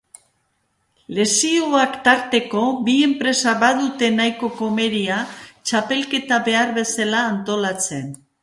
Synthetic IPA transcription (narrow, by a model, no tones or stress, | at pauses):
le̞sioakt̪aɾt̪e̞ko̞bie̞mpɾe̞saβaðut̪e̞najko̞ko̞me̞ɾiat͡ʃape̞lke̞t̪aβe̞aɾβe̞salaːnt̪o̞lat͡se̞n